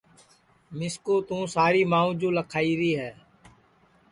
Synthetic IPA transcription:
mɪskoːt̪ũːsaːɾiːmãːũːd͡ʒoːləkʰaːiːɾiːɦɛː

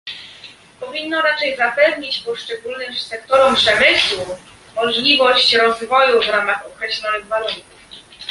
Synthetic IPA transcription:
pɔvʲinːɔɾat͡ʂɛjzapɛvɲit͡ɕpɔʂt͡ʂɛɡulnɘmsɛkt̪ɔɾɔmpʂɛmɘswu | mɔʐlʲivɔɕt͡ɕɾɔzvɔjuvɾamaxɔkɾɛɕlʲɔnɘɣvaluŋkuf

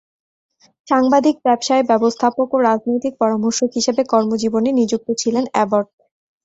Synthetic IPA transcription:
ʃaŋbad̪ʱik̚bɛbʃaebɛbost̪ʰapokoɾad͡ʑnojt̪ik̚pɔɾamoɾʃoɦiʃebekɔɾmod͡ʑibonenid͡ʑuk̚t̪ot͡ɕʰilenɛboɾɖ̚

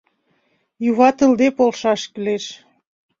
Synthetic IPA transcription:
juβɑt̪əld̪epolʃɑʃkəleʃ

